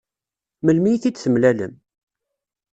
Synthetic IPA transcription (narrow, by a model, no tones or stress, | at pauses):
məlmijθit͡sːθəmlælə̰m